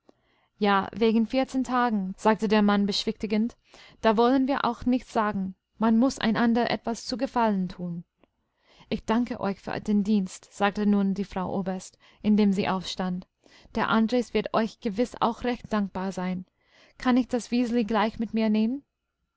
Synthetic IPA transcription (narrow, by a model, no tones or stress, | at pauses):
jaːveːɡŋ̩fɪɐt͡seːntʰaːɡŋ̩z̥aːk̚tədeːɐmanbəʃv̥ɪçtɪɡənt | d̥aːvɔlənviːɐʔa̰ʊxnɪçtt͡sz̥aːɡŋ̩ | manmʊsʔa̰ɪnʔandəʁə̰ʔɛ̰tv̥ast͡suːɡəfaləntʰuːn | ʔɪçd̥aŋkəʔɔ̰ʏçfy̰ːɐdeːndiːnstz̥aːk̚tənuːndiːfʁ̥aʊʔoːbɐɐst | ʔɪndeːmziːʔaʊfʃtant | d̥eːɐʔandʁeːsv̥ɪɐtʔɔʏçɡ̥əvɪsa̰ʊxʁɛçt̚d̥aŋk̚b̥aːɐzaɪn | kʰanɪçd̥asv̥iːzliɡlaɪçmɪtmiːɐneːmən